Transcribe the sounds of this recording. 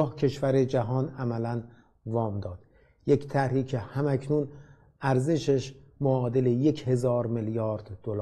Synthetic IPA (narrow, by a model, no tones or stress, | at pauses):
hcʰe̞ʃvæɾe̞d͡ʒæɦɒːnæmælæn | vɒːmd̪ɒːd̪̥ | je̞cʰt̪ʰæɾiːcʰehæmæcʰnuːn | æɾze̞ʃeʃmoɒːd̪e̞leje̞cʰhe̞zɒːɾmeljɒːɾd̪̥ːolː